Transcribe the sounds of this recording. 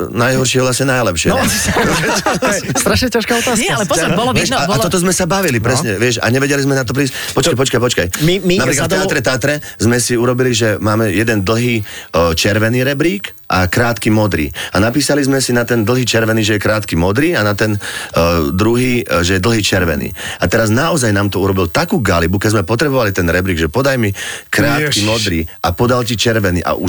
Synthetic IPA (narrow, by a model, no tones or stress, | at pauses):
najɦɔɾʃɪɛʋlasɲɛnajlɛpʃɪɛ | st̪ɾaʃɲɛcaʃkaɔt̪aːslɛɔbɔlʋɛaat̪ɔt̪ɔzmɛsabaʋilippɾɛsɲɛʋɪɛʃa̰ɲɛʋɛɟɛlizmɛnat̪ɔp̬ɾiːscpɔt͡ʃkajpɔt͡ʃkajpɔt͡ʃkajiminappɾiːklaat̪aɾɛt̪aːt̪ɾɛ | zmɛsiuɾɔbiliʒɛmaːmɛjɛd̪ɛnd̪l̩ˠɦiːt͡ʃɛɾʋɛniːɾɛbɾiːk | ʔakɾaːt̪kimɔd̪ɾḭːanapiːsalizmɛsinat̪ɛnd̪l̩ˠɦiːt͡ʃɛɾʋɛniːʒɛjɛkɾaːt̪kimɔd̪ɾiːanat̪ɛn | d̪ɾuɦiːʒɛjɛd̪l̩ɦiːt͡ʃɛɾʋɛ̰nḭːat̪ɛɾaznaɔzajnaːmt̪ɔuɾɔbilt̪akuːɡalibukɛzmɛpɔt̪ɾɛbɔʋalit̪ɛnɾɛbɾiːɡʒɛpɔd̪ajmikɾaːt̪kimɔd̪ɾiːʔapɔd̪alc̬it͡ʃɛɾʋɛnḭːʔa̰ʔu